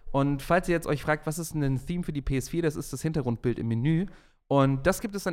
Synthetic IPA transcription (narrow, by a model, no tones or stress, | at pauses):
ʔʊntfalsʔiːɐjɛt͡stʔɔʏçfʁ̥aːk̚tv̥as̬ɪstnɛnθiːmfyːɐdiːpʰeːɛsfiːɐɾasɪstd̥ashɪntɐɡʁʊnt̚b̥ɪltɪ̰mːenyː | ʔʊnt̚d̥asɡ̥iːptɛsd̥an